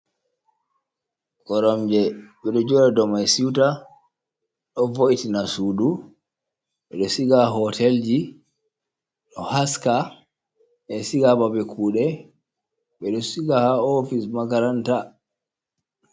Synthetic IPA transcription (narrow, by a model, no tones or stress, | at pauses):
ɡɔɾɔmd͡ʒɛɓɛɗɔd͡ʒɔɾadɔmajsiwta | ɗɔvoʔitinasudu | ɓɛɗɔsiɡaɦɔtʰɛld͡ʒi | ɗɔhaska | ʔɛsiɡababɛkʰuːɗɛ | ɓɛɗɔsiɡahaɔfismaɡaɾanta